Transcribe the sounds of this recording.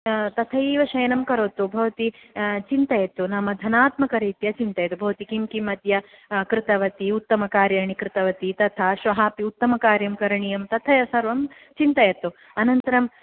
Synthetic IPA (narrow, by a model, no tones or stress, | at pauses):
t̪ɐt̪ʰɐiːʋɐʃɐjɐnɐmkɐɾoːt̪ubʱɐʋɐt̪it͡ʃint̪ɐjɐt̪unɐmɐd̪ʱɐnaːt̪mɐkɐɾiːt̪jɐt͡ʃint̪ɐjɐt̪ubʱɐʋɐt̪ikimkimɐt̪jɐ | kɾɪt̪ɐʋɐt̪iut̪ːɐmɐkaːɾjɐːɳikɾɪt̪ɐʋɐt̪it̪ɐt̪ʰaːʃʋɐɦaːpiut̪ːɐmɐkaːɾjɐmkɐɾɐɳijɐmt̪ɐt̪ʰɐjɐsɐɾʋɐm | t͡ʃint̪ɐjɐt̪u | ɐnɐnt̪ɐɾɐm